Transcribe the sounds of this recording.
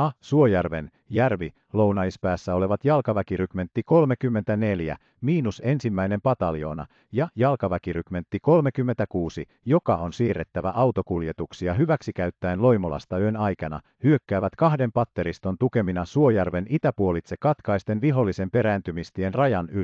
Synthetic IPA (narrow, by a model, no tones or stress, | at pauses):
ɑsuo̞jærʋe̞̰n | jærʋi | lo̞unɑispæːsːæo̞le̞ʋɑt̪jɑlkɑʋækirykme̞nt̪ːiko̞lme̞kymːent̪æne̞ljæ̰ | miːnuse̞nsimːæine̞mpɑt̪ɑljo̞̰ːnɑ̰ | jɑjɑlkɑʋækirykme̞nt̪ːiko̞lmekymːent̪ækuːsi | jo̞kɑonsiːrːet̪ːæʋæ̰ʔɑwt̪o̞kuljet̪uksiɑɦyʋæksikæyt̪ːæenlo̞imolɑ̰st̪ɑyønɑjkɑnɑ̰ | hyø̞kːæːʋæt̪kɑhde̞mpɑt̪ːe̞ɾist̪o̞nt̪uke̞minɑsuo̞jærʋe̞nit̪æpuo̞lit̪se̞kɑt̪kɑist̪e̞nʋiɦolːise̞mpe̞ɾæːnt̪ymist̪ienrɑjɑny